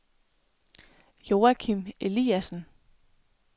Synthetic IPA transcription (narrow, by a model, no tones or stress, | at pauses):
jo̝ːækʰime̝liæsn̩